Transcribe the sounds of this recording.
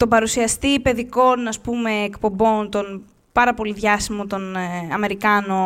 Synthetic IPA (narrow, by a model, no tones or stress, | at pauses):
t̪obɐɾusiɐst̪ipe̞ðiko̞nɐspume̞ːkpo̞mbo̞nt̪o̞n | pɐɾɐpo̞liðʝɐsimo̞t̪o̞nɐme̞ɾikɐno̞